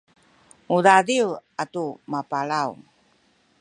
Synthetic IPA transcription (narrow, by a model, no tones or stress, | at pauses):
uɾadiwatumapaɭaw̰